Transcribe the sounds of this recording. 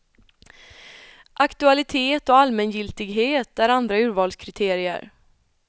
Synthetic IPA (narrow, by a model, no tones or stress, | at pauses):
ʔakt̪ɵalɪt̪ʰeːt̪ɔalmɛnjɪlt̪ɪɡɦeːt̪æɾand̪ɾaʉ̟ːɾvɑːlskʰɾɪt̪ʰeːɾɪə̰ɾ